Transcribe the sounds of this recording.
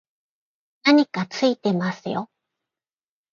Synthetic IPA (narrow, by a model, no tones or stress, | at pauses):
naɲ̟ikat͡sɨit̪e̞masɨjo̰